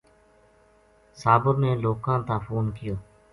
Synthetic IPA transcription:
saːbəɾneːloːkãːt̪ãːfoːnkɪjoː

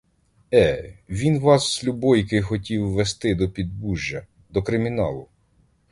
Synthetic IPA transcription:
ɛʋʲinʋɑsːlʲubɔjkɪjxɔtʲiwːest̪ɪd̪ɔpʲid̪̚buʒːɐ | d̪ɔkɾɪmʲinɑ̰lˠʊ

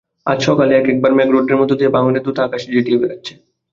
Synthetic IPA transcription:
a̰d͡ʑʃʰɔkaleɛkɛk̚baɾmɛ̃ɡɾoʈːeɾmɔt̪od̪iebaŋoned̪ut̪ʰakaʃed͡ʒiʈijebeɾatːɕʰe̥

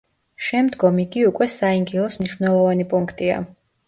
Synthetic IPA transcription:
ʃɛmd̪ɡɔmiɡiukʼwɛsaiŋɡilˠɔsmniʃwvnɛlˠɔvanipʼuŋkʰt̪ʼia̰

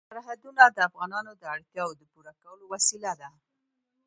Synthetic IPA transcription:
saɾɦad̪unad̪əafɣɑnɑnod̪əaɽt̪jɑod̪əpuɾakawəlowasilad̪a

